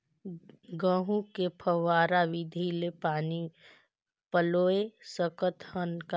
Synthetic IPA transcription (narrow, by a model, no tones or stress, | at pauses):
ɡəɦũkepʰəʋwaːɾaʋɪd̪ʱilepaːni | pəloːesəkət̪ʰhənka